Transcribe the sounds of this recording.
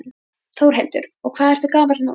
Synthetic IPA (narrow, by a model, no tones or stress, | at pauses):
θowɾ̥helt̪ʏɾ̥ɔɣkʰvaːðɛɾ̥ht̪ʏkaːvanṵ